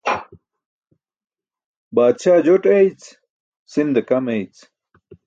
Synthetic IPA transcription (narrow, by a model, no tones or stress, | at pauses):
baːd̪ɕaːd͡ʑoʈejt͡s | sind̪ekɐmejt͡s